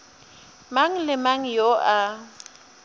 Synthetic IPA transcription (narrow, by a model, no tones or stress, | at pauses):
maŋ̩lɪmaŋ̩joʔa